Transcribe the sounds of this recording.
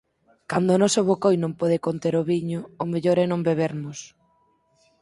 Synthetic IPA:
kand̪oʊːnɔsoβokojnõmpɔð̞ekont̪eɾoβiɲoːmeʎoɾɛnõmbeβ̞eɾmʊs

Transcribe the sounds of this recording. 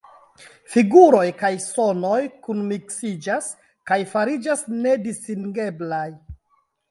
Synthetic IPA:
fiɡuɾo̞jkajso̞no̞jkunmiksid͡ʒas | kajfaɾid͡ʒasne̞distiŋɡe̞blaj

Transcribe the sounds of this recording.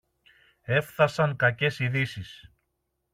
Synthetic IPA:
e̞fθɐsɐŋkɐce̞siðisis

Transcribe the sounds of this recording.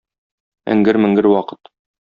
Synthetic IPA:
ɘ̰̆ŋɡɘɾmɘ̆ŋɡɘɾwɒqɤ̥t̪

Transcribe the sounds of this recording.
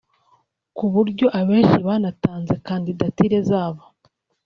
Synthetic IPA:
kuβuɾɟo̞ʔaβeːʃiβanataːnzekandidatiɾe̞zaːβo

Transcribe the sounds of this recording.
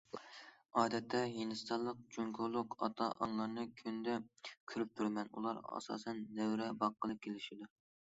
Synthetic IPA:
ɑːd̪ɛt̪ʰːɛjenɨst̪ʰɑlˠːəq̚t͡ʃʰoŋkʰolˠʊqʰɑ̰t̪ʰɑʔɑŋlˠɑɾnɨkʲʰynd̪ɛkʲʰyɾyp̚t̪ʰyɾmɛnṵlˠɑ̰ɾɑ̰sɑ̰ːsɛnːɛwɾɛbɑqːəlˠɨp̚kʲʰelɪʃid̪uɾ

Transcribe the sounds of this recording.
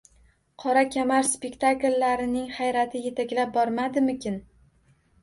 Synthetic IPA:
qʰɒɾakʲʰamaɾspekʲt̪ʰaklːaɾɪnɪŋχajɾat̪ʰɪje̞t̪ʰakʲlap̚bɒɾmad̪ɪmɪkʲɪn

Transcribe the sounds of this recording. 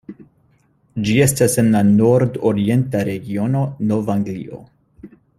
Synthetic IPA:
d͡ʒie̞stase̞nlano̞ɾdoɾie̞ntaɾe̞ɡio̞no̞no̞vaŋɡlḭʔo̞̰

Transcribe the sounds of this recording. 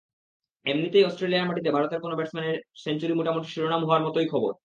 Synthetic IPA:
emnit̪ejɔsʈɾeliaɾmaʈit̪ebʱaɾot̪eɾkonobɛʈsmaneɾsent͡ɕuɾimuʈamot̪ːiʃiɾonamɦɔoaɾmɔt̪ojkʰɔboɾ

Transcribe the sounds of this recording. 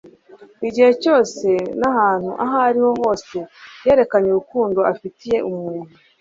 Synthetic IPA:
iɟihe̞co̞ːse̞nahaːn̥huʔaɦaɾiho̞ɦo̞ːse̞je̞ːɾe̞kaɲuɾukuːndo̞afitije̞ʔumŋuːnu

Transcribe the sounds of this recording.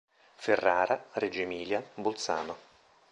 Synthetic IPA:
ferːaːɾared͡ʒemiːljabolt̪sa̰ːno

